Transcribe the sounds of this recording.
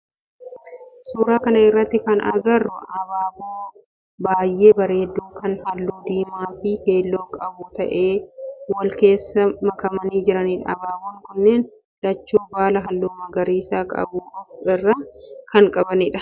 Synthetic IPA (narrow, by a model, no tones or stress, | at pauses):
suːɾaːkɐnɐɪrːɐt̪ːɪkɐnʔɐɡɐrːʊʔɐbaːbuː | baːjːʔe̞ːbɐɾeːd̪ːuːkɐnhɐlːuːd̪iːmaːfɪke̞ːlːo̞ːkʼɐbuːt̪ɐʔe̞ːwɐlke̞ːsːɐmɐkɐmɐniːd͡ʒɪɾɐniːᶑɐ̰ɐbaːbuːŋkʊnːeːn | l̥ɐt͡ʃːuːbaːlɐɦɐlːuːmɐɡɐɾiːsaːkʼɐ̰buːkʼɐbɪrːɐkɐŋkʼɐbɐniːᶑɐ̥